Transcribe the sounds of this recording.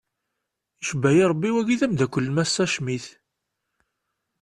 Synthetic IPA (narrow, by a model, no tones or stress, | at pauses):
iʃbæjiɾˤəbːiwæʝiðæmd̪ækʷːəlːmæsːæʃmiθ